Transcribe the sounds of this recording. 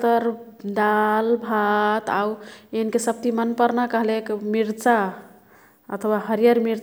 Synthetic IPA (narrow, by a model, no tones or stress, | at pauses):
t̪əɾ | d̪albʱat̪auenkesəb̚t̪imənpəɾnakəɦlekmiɾt͡ʃa | ə̰t̪ʰəwaɦəɾijəɾmiɾ